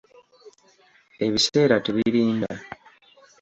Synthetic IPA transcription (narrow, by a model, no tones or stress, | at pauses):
e̞βise̞ːɾateβiɾiːnda